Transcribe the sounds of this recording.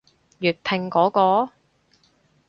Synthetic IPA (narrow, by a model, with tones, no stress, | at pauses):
jyː˨˩t̚p̪ʰɪ˨˩ŋkɔː˨˥kɔː˧